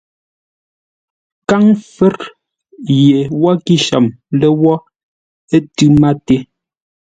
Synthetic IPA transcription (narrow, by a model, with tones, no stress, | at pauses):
ka˦ŋfɛ˦ɾ | je˨wɔ˦ki˦ʃa̰˨m | lɛ˦wɔ˦ | e˦tʉ˦ma˦te˦